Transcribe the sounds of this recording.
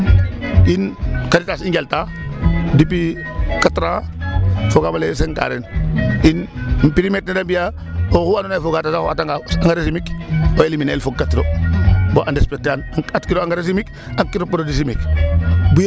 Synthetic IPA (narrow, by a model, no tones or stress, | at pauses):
inkaɾitasiŋɡelta | dipikatɾa | foɡamales̬eŋka̰ɾḛninpiɾimet̚nadambija | ohuanunajfoɡatasahoataŋɡaaŋɡaɾesimikoeliminelfoɡ̚katɾoboʔandespetanatkiɾoaŋɡaɾes̬imik | akiɾopoɾodisimikbuj